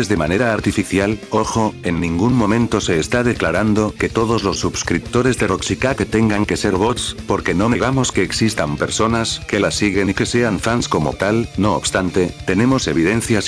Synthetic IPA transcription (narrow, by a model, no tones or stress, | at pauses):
ezðe̞mane̞ɾaːɾt̪ifiθjalo̞xo̞e̞nːĩŋɡuŋmõ̞mẽ̞nt̪o̞se̞ːst̪að̞e̞klaɾand̪o̞ke̞t̪o̞ðo̞zlosːubskɾip̚t̪o̞ɾe̞zðeroksikaket̪e̞ŋɡaŋke̞se̞ɾβot̪spo̞ɾke̞no̞meɣ̞amo̞ske̞ːksist̪ampe̞ɾso̞naske̞lasːiɣe̞nike̞se̞aɱfansko̞mo̞̰t̪alno̞̰ːβ̥st̪ant̪e̞t̪e̞ne̞mo̞se̞β̞iðẽ̞n̟θjas